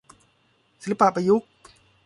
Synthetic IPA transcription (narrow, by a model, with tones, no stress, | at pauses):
si˨˦la˦pa˨pa˧ju˦˥k̚